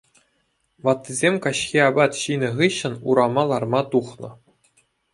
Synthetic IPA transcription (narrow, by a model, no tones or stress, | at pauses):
ʋɑt̪ːizʲemʲkɑɕxʲiɑbɑt̪ɕinʲɘ̆ʁɯɕːɘ̆nuɾɑmɑlˠɑrmɑt̪uχnɤ̆